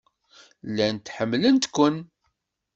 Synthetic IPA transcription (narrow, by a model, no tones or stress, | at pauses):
lːænt̪ħəmːlənt̪kʷən